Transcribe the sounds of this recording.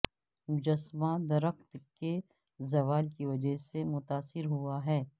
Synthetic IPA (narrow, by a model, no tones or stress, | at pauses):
mʊd͡ʒɐsmad̪ɐɾəxt̪ke | zɐʋaːlkiʋɐd͡ʒəɦsemʊt̪aːsɪɾɦuaɦɛː